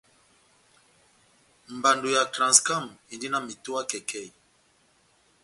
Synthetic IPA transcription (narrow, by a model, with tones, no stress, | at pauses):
m̩˨ba˨ndo˨ja˨klã˨nska˦˨mi˨ndi˦na˦mi˨to˦a˦kɛ˨kʰɛ˦˨